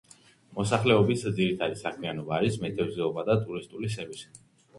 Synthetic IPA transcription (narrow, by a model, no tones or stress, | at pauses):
mɔsaχlɛɔbisd̪ziɾit̪ʰad̪isakʰmianɔbaːɾismɛt̪ʼʰɛvzɛɔbad̪at̪ʼuɾist̪ʼulis̬ɛɾvisi̥